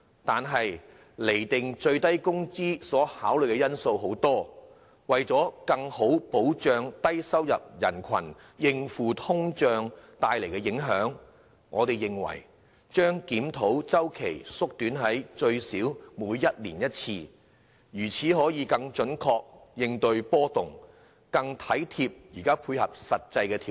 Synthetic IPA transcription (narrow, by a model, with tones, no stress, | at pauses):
t̪aː˨nɦɐ˨j | le˨˩jt̪ɪ˨ŋt͡sɵ˧ɥt̪ɐ˥jkʊ˥ŋt͡siː˥sɔː˨˥haː˨˥wlɵ˨jkɛ˧jɐ˥nso˧wɦo˨˥wt̪ɔː˥ | wɐ˨jt͡sɔː˨˥kɐ˧ŋho˨˥wpo˨˥wt͡ʃœː˨˧ŋt̪ɐ˥jsɐ˥wjɐ˨p̚jɐ̰˨˩nkʰɐ̰˨˩n | jɪ˧ŋfuː˨t̪ʰʊ˥ŋt͡ʃœː˧ŋt̪aː˧jle˨˩jkɛ˧jɪ˨˥ŋɦœː˨˥ŋ | ŋʔɔ̰ː˨˧t̪e˨jɪ˨˩ŋwɐ̰˨˩j | t͡ʃœː˥ŋkiː˨˥mt̪ʰo˨˥wt͡sɐ˥wkʰe˨˩jsʊ˥k̚t̪yː˨˥nɦɐ˨˥jt͡ʃɵ˧ɥsiː˨˥wmuː˨˥jːɐ˥t̚lḭː˨˩njɐ˥t̚t͡sʰiː˧ | jyː˨˩t͡sʰiː˨˥ɦɔː˨˥jiː˨˧kɐ˧ŋt͡ʃɵ˨˥nkʰɔː˧k̚jɪ˧ŋt̪ɵ˧ɥpɔː˥t̪ʊ˨ŋ | kɐ˧ŋt̪ʰɐ˨˥jt̪ʰiː˧p̚jiː˨˩kaː˥pʰuː˧jhɐ˨p̚sɐ˨t̚t͡sɐ˧jkɛː˧t̪ʰi˨